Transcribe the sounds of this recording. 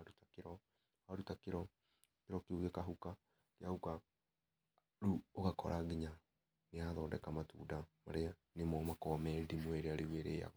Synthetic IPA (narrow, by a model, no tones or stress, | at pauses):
aɾutakeɾɔ | aɾutakeɾɔ | keɾɔkeuɣekaɦuka | kjahuka | ɾuoɣakɔ̰ɾaɣiɲa | neaðɔːdɛkamatṵːdamaɾea | nemɔmakɔmɛdimweɾeaɾeweɾea̰ɣɔ